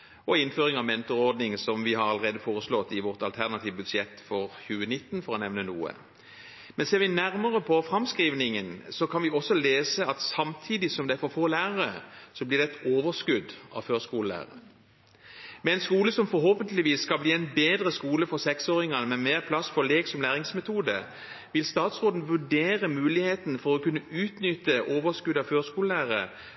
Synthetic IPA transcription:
ɔɪnføːʁɪŋɑʋmɛnt̪ɔʁɔʁd̪nɪŋsɔmʋɪhɑʁɑləʁeːd̪əfoːʁəslɔt̪ːɪʋɔʁt̪ɑlt̪ʰæʁnɑt̪ʰiːʋbʉd̪sjɛt̪ːfɔʁçʉːənɪt̪ːnfɔʁɔnɛʋnənuːə̰ | mɛnseːʁʋɪnæʁməʁəpʰɔfɾɑmskʁiːʋnɪŋənsɔkʰɑnʋɪɔsɔleːsəɑt̪sɑmt̪ʰiːd̪ɪsɔmd̪ɛæɾfɔɾfoːlæːʁəʁəsɔblɪːʁd̪ɛt̪oːʋəskʉd̪ɑ̰ʋføːskuːləlæ̰ːʁə̰ | mɛɛɪnskuːləsɔmfɔɾɦoːpənt̪lɪʋiːsːkɑlbliːɛnbeːd̪ɾəskuːləfɔʁsɛksoːɾɪŋɑnəmɛmeːʁpʰlɑsfɔleːɡsɔmlæːʁɪŋsmɛt̪ʰuːd̪ə̰ | ʋɪlst̪ɑːt̪sʁoːd̪n̩ʋʉɖeːʁəmʉːlɪheːt̪nfɔʁɔkʉnːəʉːt̪nʏt̪əʔoːʋəskʉd̪ɑʋføːskuːləlæːʁə̰

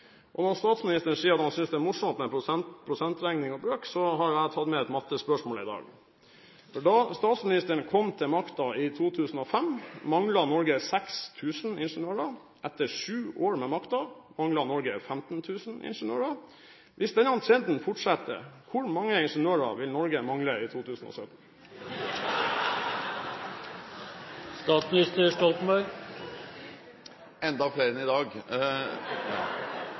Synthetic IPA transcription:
ʔɔnɔɾst̪ɑːt̪smɪnɪst̪əɳ̩siːəɾɑt̪hɑnsʏnsd̪ɛæmʊʂɔmt̪mɛpʰɾʊsɛnt̪ɾæŋnɪŋɔbɾøːksɔɦɑɾjʊæɪt̪ʰɑd̪mɛɛt̪mɑt̪ːəspœʂmoːlɪ̰d̪ɑ̰ːɡ | fɔɖɑst̪ɑːt̪smɪnɪst̪əɳkʰɔmt̪ʰɛlmɑkt̪ɑɪt̪ʰuːt̪ʰʉːsn̩ɔfɛmːɑŋlɑnɔɾɡəsɛkst̪ʰʉːsnɪnʂənøːɾɑ | ʔɛt̪ːəʂʉːoːɾmɛmɑkt̪ɑmɑŋlɑnɔɾɡəfɛmt̪n̩t̪ʰʉːsn̩ʔɪ̰nʂənø̰ːɹɑ | ʋʔɪsd̪ɛnɑnt̪ʰeːnd̪n̩fʊʈʂɛt̪ə̰kʰʊɾmɑŋːəɪnʂənøːɾɑ̰ʋɪlnɔɾɡəmɑŋləiːt̪ʰuːt̪ʰʉːsn̩o̰ːsœt̪n̩ | st̪ɑːt̪smnɪst̪əʂʈɔlt̪mbɑʏɾ | ɛnd̪ɑfleːɾɛnɪd̪ɑːɡ

